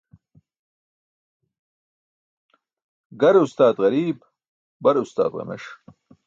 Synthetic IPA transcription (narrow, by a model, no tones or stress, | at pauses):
ɡɐɾust̪aːd̪ɣɐɾiːb | bɐɾust̪a̰ːd̪ʁɐ̰mḛʂ